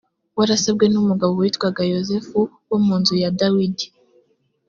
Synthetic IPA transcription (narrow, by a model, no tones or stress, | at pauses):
waɾasabɡe̞numuɡaβowitkwaɡajozefu | womuːnzujadawidi̥